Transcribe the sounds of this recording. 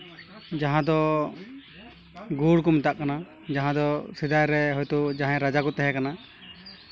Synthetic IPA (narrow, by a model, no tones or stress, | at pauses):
d͡ʒaɦãd̪ɔ | ɡuɽkɔmɛt̪aʔkana | d͡ʒaɦãd̪ɔsid̪ajɾɛɦɔjt̪ud͡ʒaɦãɾad͡ʒakɔt̪ɛɦɛ̃kana